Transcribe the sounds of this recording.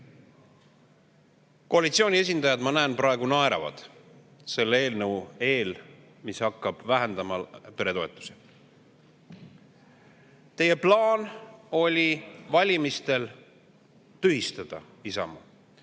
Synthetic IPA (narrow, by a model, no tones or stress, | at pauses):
ko̞ɑlit̪sio̞ːnʲie̞s̬ʲind̪ɑjɑd̪mɑnæːnpɾɑe̞ɡ̥unɑeɾɑ̰vɑ̰d̪̥ | se̞lːee̞ːlnɤwe̞ːl | mishɑkːˑɑb̥væɦend̪ɑmɑpe̞ɾe̞t̪o̞e̞t̪ːˑu̥se | t̪e̞je̞plɑːno̞lʲivɑlʲimist̪e̞l | t̪yɦist̪ɑd̪̥ɑ | isɑ̰mu